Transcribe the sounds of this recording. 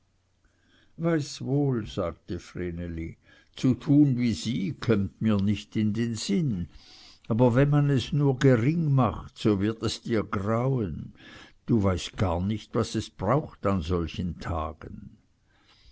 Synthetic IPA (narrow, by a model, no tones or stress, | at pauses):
vaɪsvoːlz̥aːɡ̚təfʁeːneli | t͡sutʰuːnviːz̥iːkʰɔmtmiːɐnɪçtɪndeːnz̥ɪn | aːbɐvɛnmanɛsnuːɐɡeʁɪŋmaχtsoːvɪɐtɛsd̥iːɐɡraʊənd̥uːvaɪst̚ɡ̥aːɐnɪçtvasɛsb̥ʁaʊxtanzɔlçəntʰa̰ːɡ̥ən